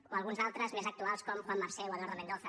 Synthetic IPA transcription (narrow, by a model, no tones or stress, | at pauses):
oəlɣunzalˠt̪ɾəzmezək̚t̪ualˠskɔmxwamːaɾsɛwaðorəmẽnd̪oθə